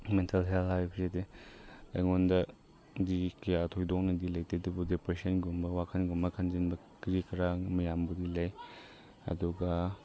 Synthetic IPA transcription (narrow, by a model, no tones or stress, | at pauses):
mentɐlɦelhajpʰsede | ɐ̰jŋondɐ | dikiatʰojdɔk̚nɐdilɐjtidubudepɾesɐnɡumbɐwakʰɐnɡumbɐkʰɐnd͡ʒinbɐ | kɾikɐɾamɐjambudilɐj | ɐ̰duɡɐ